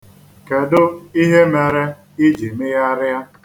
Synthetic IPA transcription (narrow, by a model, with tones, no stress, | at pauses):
ke˨dʊ˦i˦ɦe˦me˨ɾe˦ | i˦d͡ʒi˨mɪ˦ja˦ɾɪ˦a˦